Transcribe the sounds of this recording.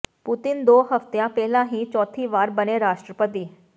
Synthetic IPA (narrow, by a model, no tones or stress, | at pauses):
pʊt̪ɪnd̪oːɦəft̪jãːpɛːlãːɦĩːt͡ʃɔːt̪ʰiːʋaːɾbəneːɾaːʃʈɾəpət̪iː